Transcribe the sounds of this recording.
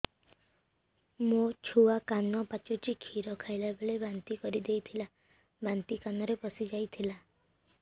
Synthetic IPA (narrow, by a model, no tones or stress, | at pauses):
mot͡ʃʰuakanɔpat͡ʃɔt͡ʃikʰiɾɔkʰajlabeɭebant̪ikɔɾid̪ejt̪ʰila | bant̪ikanɔɾepɔsid͡ʒajt̪ʰila